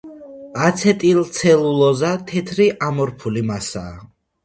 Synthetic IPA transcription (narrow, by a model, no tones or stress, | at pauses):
at̪sʰɛt̪ʼilt̪sʰɛlulɔzat̪ʰɛt̪ʰɾiʔamɔɾpʰulimasa̰ː